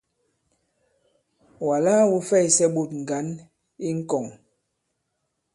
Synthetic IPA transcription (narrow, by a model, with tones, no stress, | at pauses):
wa˨la˦wu˦fɛ˦˨jsɛ˦ɓo˦˨t̚ŋ̩˨ɡa˨˦n | i˦ŋ̩˦kɔ˨ŋ